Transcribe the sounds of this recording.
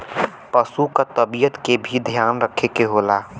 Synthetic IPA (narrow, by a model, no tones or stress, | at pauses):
pəsukat̪əbijət̪kebʱid̪ʱjaːnɾəkʰekeɦoːlaː